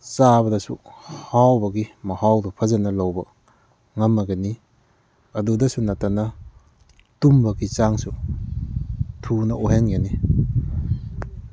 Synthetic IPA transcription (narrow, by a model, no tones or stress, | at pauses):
sabɐdɐsṵhawbɐɡimɐhawdɔpʰɐzanɐlowbɐ | ŋamːaɡeni | ɐdudɐsunatanɐ | tumbɐɡit͡ʃaŋsu | tʰunɐʔuɦeŋjani